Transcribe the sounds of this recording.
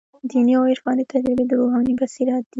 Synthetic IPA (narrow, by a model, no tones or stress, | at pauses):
d̪iniaweʃbɑnd̪et̪ad͡ʒɾibed̪əɾoɦɑnibasiɾɑt̪̚d̪̥i